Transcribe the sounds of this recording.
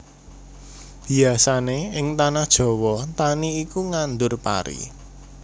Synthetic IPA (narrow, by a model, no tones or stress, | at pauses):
b̥i̤asaneɪŋt̪anahd̥ʒ̥ɔ̤wɔt̪aniːkuŋand̪ʊrpa̰ɾḭ